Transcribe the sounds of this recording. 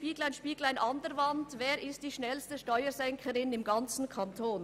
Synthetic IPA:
piːɡl̩aɪnʃpiːɡl̩aɪnʔɑndəɾvɑntveːɾɪstd̥iːʃnɛlstəʃtɔʏəzɛŋkʰəɾɪnɪmɡɑnt͡sn̩kʰantʰoːn

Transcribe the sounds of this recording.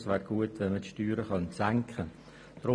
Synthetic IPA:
sʋɛːɾɡuətʋɛnmətʃtyːɾəχɑnsæŋkʰχə | d̥ɾʊ

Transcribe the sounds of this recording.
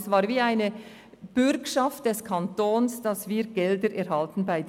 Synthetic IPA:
svaːɾviːaɪnə | b̥ʏɾkʃɑft̚d̥ɛskʰɑntoːnsd̥ɑsviːɡ̥ɛldəɾʔɛɾhɑltn̩baɪd

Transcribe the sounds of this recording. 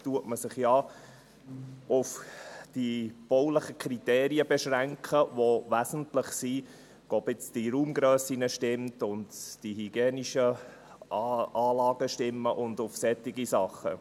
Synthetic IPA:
tuətməsɪχjɑ | ʊfd̥ib̥ɔwləχəkʰɾitɛːɾiəbɛʃɾæŋkʰχəʋoʋæzən̩tlɪχsi | ɡ̥obɪt͡sd̥iɾuːmɡɾœːsinəʃtɪmtʊndd̥ihiɡ̥jeːniʃə | ɑːlɑːɡəʃtɪmːəʔʊndʊfsɛtːiɡisɑχːə̰

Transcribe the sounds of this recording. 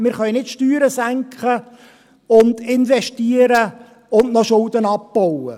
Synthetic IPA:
mɪːɾχœʏnɪtʃtyːɾəsæŋkχə | ʊnd̪ɪnʋɛʃtiːəɾə | ʊndnɔʃʊldənɑpb̥ɔwə

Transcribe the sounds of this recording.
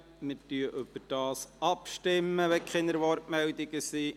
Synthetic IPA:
mɪɾtyəʔʏb̥əɾd̥ɑːsɑpʃtɪmːəʋɛkʰχɪnəɾʋɔɾtmɛld̪ɪɡəsiː

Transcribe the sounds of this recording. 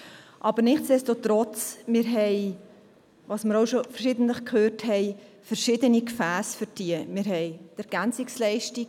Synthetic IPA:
ʔɑbəɾnɪχtsd̥ɛstotɾɔt͡smɪːɾɦɛɪ | vɑːsməɾoʊʃofəɾʃɪd̪ən̩tləχkʰhøːɾthɛɪ | fəɾʃɪd̪ənikfæːsfʏɾd̥iəmɪːɾɦɛɪt̪ɛɾɡ̥ænt͡sɪkslɛɪʃti

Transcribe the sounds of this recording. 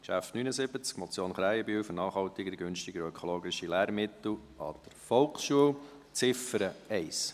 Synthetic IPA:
kʃæftnyːnəsɪbət͡skmɔt͡sjoːnχɾæɪəbyːwfəɾnɑːχhɑlt̪ɪɡəɡʏnʃtɪɡəɾœkʰɔloːɡɪʃilæːɾmɪt̪l̩ | ɑ̰d̪̥əɾfɔlksʃuəw | t͡sɪfəɾəɛɪs

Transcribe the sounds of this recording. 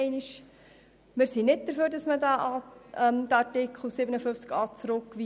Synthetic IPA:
ɪnɪʃ | mɪɾsinɪt̚d̥̪əɾføːɾdɑsmədæʔɑɛmd̥̪əɑɾtɪkχl̩ˠsɪbənəfʏft͡skɑːt͡sɾʊkːʋi

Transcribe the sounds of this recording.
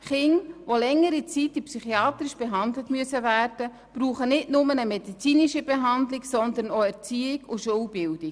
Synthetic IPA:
χɪŋʋolɛŋːəɾit͡sitipsyχiɑːt̪ɾiʃb̥eɦɑndlətmyəsəvæːrd̥ə | b̥ɾuːχənɪdnʊmənəmɛdit͡siːniʃibeɦɑndlɪksɔnd̪əɾnoɛɾt͡siːɪɡʊʃuːlbɪld̥ɪk

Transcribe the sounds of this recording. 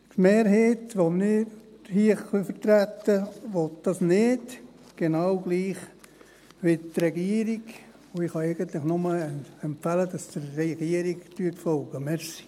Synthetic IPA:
tmeːɾɦeːtʋomnɪɾhiəχʋɪlfəɾt̪ɾæt̪ːəʋot̪d̥ɑsnɪd | ɡ̥enɑwɡ̥liːχ | ʋɪt̪rɛɡiəɾiɡ | oɪχhɑɛɪɡ̥ənt̪lɪχnʊməɛmpfælədɑsd̥̪əɾːɛɡ̥iəɾiɡtyətfɔlɡ̥əmɛɾsi̥

